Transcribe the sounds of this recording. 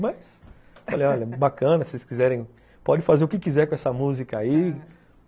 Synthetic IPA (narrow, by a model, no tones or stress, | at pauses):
mɐjs | falejɔʎɐbakɐ̃nɐseskizɛɾẽj̃ | pɔd͡ʒɪfazeɾʊkɪkizɛɾkõɛsɐmuzikɐai